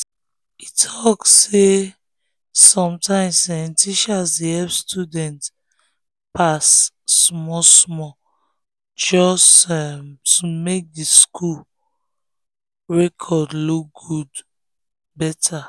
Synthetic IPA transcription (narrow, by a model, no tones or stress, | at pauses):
itʰɔkːe | sɔ̃mtãɪ̃msɛ̃ntiʃasdiɛpstʰjudɛ̃nt | pasː | mɔsmɔ | d͡ʒɔsɛmtumek̚diskʰul | ɹɛkʰɔdluk̚ɡud | bɛtʰa